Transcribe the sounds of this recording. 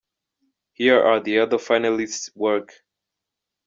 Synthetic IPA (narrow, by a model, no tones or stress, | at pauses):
hiɹaðiʌðə˞faɪ̃nəlɪsswɜ˞k